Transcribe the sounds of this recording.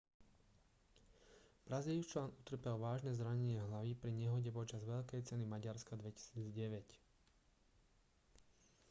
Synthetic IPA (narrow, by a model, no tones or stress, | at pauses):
b̥ɾaziːlt͡ʃlaːnut̪r̩pɛlʋaːʒnɛzɾaɲɛɲɪɛɦlaʋiːpɾiɲɛɦɔɟɛpɔt͡ʃazʋɛʎkɛjt͡sɛnimaɟaɾskad̪ʋɛci̥siːd͡zɟɛʋɛc